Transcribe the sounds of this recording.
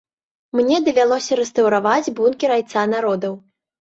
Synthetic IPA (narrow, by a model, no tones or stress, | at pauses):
mnʲɛd̪ɐvʲalˠɔsʲɐɾɛst̪ɐwɾavad͡zʲbunkʲiɾajt̪sanaɾɔd̪ɐw